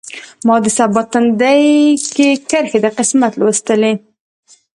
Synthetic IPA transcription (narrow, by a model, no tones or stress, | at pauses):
mɑd̪əsabɑt̪ənd̪ajkekəɾxed̪əqɪsmat̪lwəst̪əle